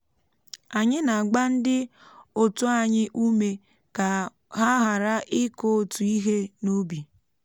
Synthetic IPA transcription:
a˨ɲɪ˦na˨ɡ͡ba˦n̩˦dɪ˦o˨tu˦a˦˨ɲɪ˦ʔu˦me˨ | ka˨ | ɦa˦ɦa˨ɾa˦ʔɪ˦ko˦o˨tu˨i˦ɦe˦no˦bi˨

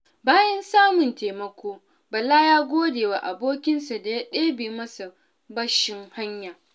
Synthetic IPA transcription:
baː˦jɐ˦nsaː˦mʊ˨nteː˨mɐ˦kʷoː˦ | bɐ˨lːa˦jaː˦ɡʷoː˦deː˨wa˨ʔa˨boː˦kʲɪ˦nsa˨da˨ja˦ɗeː˦beː˨mɐ˦sa˨ | bɐ˦ʃɪ˦ŋha˦ɲjaː˨

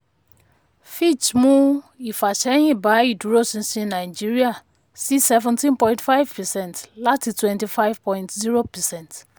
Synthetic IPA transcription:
fi˦t͡ʃmũ˦i˨fa˨ʃɛ˦jĩ˦ba˦i˨du˨ɾo˦sĩ˨sĩ˦nã˨ɪd͡ʒi˦ɹi˦a˨ | si˦sɛ˨vɛ̃˨ntʰĩ˦npɔ̃˦j̃ntfa˦jvpɛ˨sɛ̃˦ntla˦ti˨twɛ̃˨nti˨fa˦jv̥pʰɔ̃˦j̃ntzi˦ɹo˦pɛ˨sɛ̃˦nt

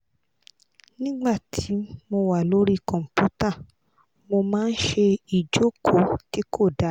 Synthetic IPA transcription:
nĩ˦ɡ͡ba˦˨tʰi˨˦mo˧wa˦˨lo˨˦ɾi˦kɔ̃˨m̩˨pu˦ta˦˨ | mo˧mãː˦˧n̩˦ʃe˧i˨d͡ʒo˨˦kʰo˨˦ti˦kʰo˦˨da˨˦

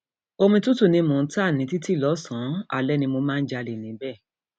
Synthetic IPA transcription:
o˧mĩ˧tũ˦tu˦˨nĩ˧mũ˨˦ta˦˨nĩ˨˦ti˦ti˦˨lɔ˨˦sã˨˦a̰˨lɛ˨˦nĩ˧mo˧mãː˦˧n̩˦d͡ʒa˧le˨nĩ˨˦bɛ˦˨

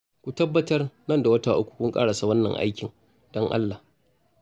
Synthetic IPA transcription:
kʷu˨tɐ˦bːɐ˦tɐ˦rnɐ˦˨nda˨wɐ˦taː˨ʔʊ˦kʷːu̥˨kʷʊ˦ŋkʼa̰ː˦ɽa˨sa˦wɐ˦nːɐ̰˨ŋʔa̰˦jkʲɪ˨ŋ | d̥ɔ˦ŋʔa̰˦lːa˨

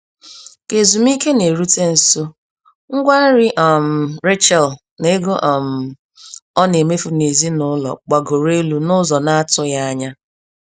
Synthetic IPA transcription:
ke˨zu˨m˦i˦ke˦ne˨ɾu˦te˦n̩˨so˦ | ŋ̩˦ɡʷa˦n̩˦ɾɪ˦ʔɔ˨m̩˨ɾe˦t͡ʃɛ˨l | ne˦ɡo˦ʔɔ˨m̩˨ | ɔ˦ne˨me˦fu˨ne˨zi˦nʊ˦lɔ̰˨k͡pa˨ɡo˨ɾe˦lu˦nʊ˦zɔ˨na˦a˦tʊ˦ja˦a˦ɲa˦

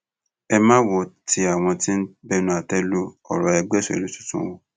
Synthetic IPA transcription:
ɛ˧mã˦wɔ˨˦ti˧a˨w̃ɔ̃˧tĩ˦n̩˦bɛ˦nũ˦a˨tɛ˦lo˦ | ɔ̰˨ɾɔ˨ɛ˧ɡ͡bɛ˦˨sɔ˨ḛ˨lu˨˦tu̥˦tṵ̃˦wõ˧

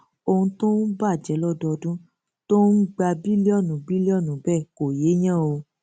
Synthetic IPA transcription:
o˧hũ˧to˦n̩˦ba˦˨d͡ʒɛ˨˦lɔ˦˨dɔ˧dũ˦ | to˦n̩˦ɡ͡ba˧bi˦li˦ɔ˦˨nũ˨˦bi˦li˦ɔ˦˨nũ˨˦bɛ˦˨ko˨je˨˦j̃ã˦˨o˧

